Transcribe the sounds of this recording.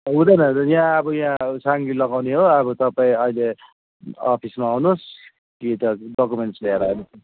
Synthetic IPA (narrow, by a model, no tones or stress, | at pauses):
ɦũd̪ʌjnʌjãʌbʌjãsaŋɡilʌɡawneɦoʌbʌt̪ʌpaĩʌile | ʌpʰismaːwnos | kit̪ʌɖʌkumeɳʈsleɾaenʌs